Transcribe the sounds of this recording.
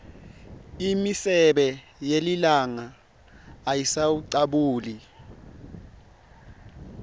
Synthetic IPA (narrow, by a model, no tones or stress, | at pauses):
imisɛɓɛ | jelilaŋaː | jisawuǀaɓuːli